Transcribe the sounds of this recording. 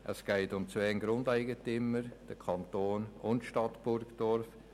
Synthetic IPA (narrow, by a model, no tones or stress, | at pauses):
ʔəsɡ̥ɛɪtʊmt͡sʋɛːnɡɾʊndæɪɡətʏmːəɾd̥əkʰɑntoːnʊntʃtɑtb̥ʊɾɡd̥ɔɾf